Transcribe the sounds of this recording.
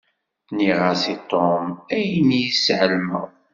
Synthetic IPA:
niʁəsit̪ˤːomæjinːijəsʕəlmə̰ʁ

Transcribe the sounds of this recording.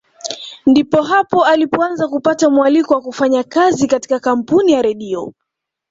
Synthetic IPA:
ndipɔɦapɔalipɔanzakupatamualikɔwakufaɲakazikati̥kakam̩punijaɾɛɗiɔ̰

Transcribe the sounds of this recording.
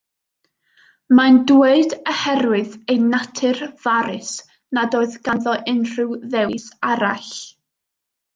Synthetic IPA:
mandweɨdəhɛɾwɪðejnatʰɨrv̥aɾɪs | nadoɨðɡ̥anðɔʔɪnr̥ɨwðɛwsaɾa̰ɬ

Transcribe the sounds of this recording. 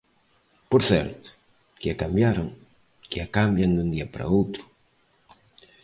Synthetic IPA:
poɾθɛ̰ɾt̪ʊ̥ | kɪakambjaɾoŋ | kɪakambjand̪und̪iɐpaɾa̰owt̪ɾʊ̥

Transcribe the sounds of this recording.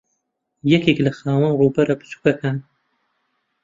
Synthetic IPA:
jakeklaxɑːwanɾobaɾapə̥su̥kakʰan

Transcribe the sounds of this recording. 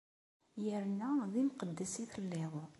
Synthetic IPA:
jəɾnæðimqəd̪ːæsiθəlːeðˤ

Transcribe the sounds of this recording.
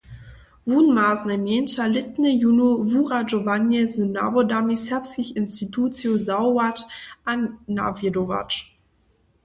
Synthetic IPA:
vunmaːznameːnʃalɪt̚nəjunuvuːʁad͡ʒovanjɛzəna̰bodamisɛɐpskɪçɪnstitʰuːt͡sjozawwatanːa̰vedova̰t͡ʃ

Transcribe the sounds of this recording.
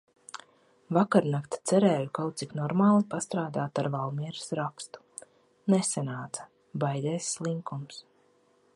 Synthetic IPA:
vakaɾnakt̪t̪sɛɾɛːjukawt̪siknɔɾmaːlˠipast̪ɾaːd̪aːt̪aɾvalˠmiɛɾsɾakst̪u̥ | nesanaːt̪sḁ | bajd̪ɛːsːlˠiŋkums

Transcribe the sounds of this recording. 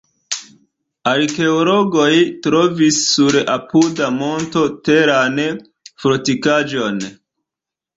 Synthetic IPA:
aɾke̞olo̞ɡo̞jtɾo̞visːuɾapudamo̞nto̞te̞ɾan | fɾotikad͡ʒo̞n

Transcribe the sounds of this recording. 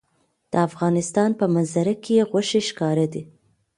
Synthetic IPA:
d̪̥əafɣɑnɪst̪ɑnpəmanzaɾakejeɣwaʃeʃkɑɾad̪i

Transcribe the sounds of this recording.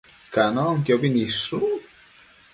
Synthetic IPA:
kanɔŋkobinisu

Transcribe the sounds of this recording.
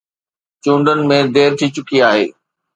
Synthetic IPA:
t͡ɕũːɳɖənɪ̆mẽd̪eːɾt̪ʰit͡ɕʊkiaːɦḛː

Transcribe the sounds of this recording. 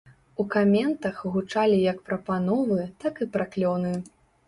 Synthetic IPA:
ukamʲɛnt̪ɐxɣut͡ʂalʲijɐkpɾɐpanɔvɨt̪akɨpɾaklʲɔwnɨ

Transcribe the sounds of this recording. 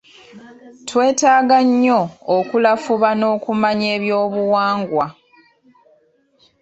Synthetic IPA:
twe̞ːtaːɡaɲːo̞ːkulafuβano̞ːkumaɲe̞ːβjo̞ːβuwaːŋɡwa

